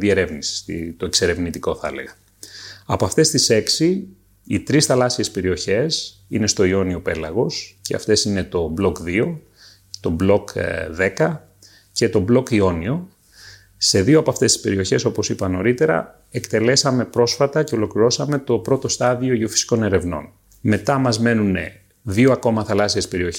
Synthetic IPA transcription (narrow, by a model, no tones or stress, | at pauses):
ðie̞ɾe̞vnisi̥sit̪o̞ekse̞ɾe̞vnit̪iko̞θɐḛle̞̰ɣɐ | ɐpoɐft̪e̞st̪ise̞ksi | it̪ɾisθɐlɐsie̞spe̞ɾio̞çe̞s | ine̞st̪o̞io̞nio̞pe̞lɐɣo̞sceɐ̰ft̪e̞sine̞t̪o̞blo̞kðio̞ | t̪o̞blo̞kðe̞kɐ | ce̞t̪o̞blo̞kio̞nio̞ | se̞ðioɐpoɐft̪est̪ispe̞̰ɾio̞çe̞so̞po̞sipɐno̞ɾit̪e̞ɾɐ̰ | ekt̪e̞le̞sɐme̞pɾo̞sfɐt̪ɐce̞o̞lo̞kliɾo̞sɐme̞t̪o̞pɾo̞t̪o̞st̪ɐðioiofi̥si̥ko̞ne̞ɾe̞vno̞̰n | me̞t̪ɐmɐzme̞nune̞̰ | ðioɐko̞mɐθɐlɐsiespe̞ɾio̞ç